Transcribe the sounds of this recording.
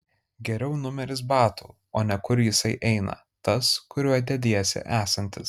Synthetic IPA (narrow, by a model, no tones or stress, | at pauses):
ɡʲɛɾʲɛʊnʊmʲɛɾʲɪs̬bɑːt̪ṵː | oːnʲɛkʊɾjɪsɐɪʔɛɪnɐ̰ | t̪ɐskʊɾʲuɔd̪ʲɛd̪ʲeːjɛsʲɪ̰ʔæːsɐnʲt̪ʲɪs